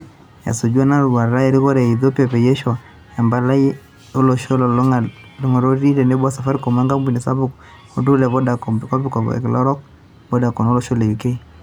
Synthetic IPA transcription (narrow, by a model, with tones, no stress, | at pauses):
ja̰˨so˨d͡ʒu˦a˦na˦ɾu˨βa˨ɾla˦ɛ˨ɾi˦ɣɔ˦ɾɛ˨i˨ðɔ˦pi˦a˨pɛ˨jɛ˦ʃa˨ | ja˨mba˨la˦i˦ | ɔ˦lɔ˨ʃɔ˦lɔ˨lŋa | lɔ˦ŋa˨ɾɔ˦ɾi˦ɾɛ˨nɛ˦bwa˦sa˨fa˦ɾi˦kɔ˨ma˦ŋɡa˦mbi˨nɛ˨sa˦βu˦k | ɔ˦du˦lɛ˨βɔ˦da˨kɔ˨mbkɔ˦pi˦kɔ̰˨klɔ˦ɾɔ˦k | bɔ˦da˨kɔ˨nɔ˦lɔ˨ʃɔ˦lɛ˨i˨kɛ˦i˦